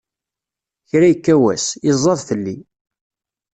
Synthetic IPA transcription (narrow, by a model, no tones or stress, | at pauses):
çɾæjəkːæwæ̰sɪzˤːɑðˤθəlːi